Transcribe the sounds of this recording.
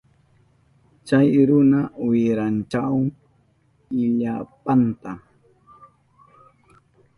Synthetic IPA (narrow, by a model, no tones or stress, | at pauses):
t͡ʃajɾʊnawɪɾant͡ʃaw | ɪʎapant̪a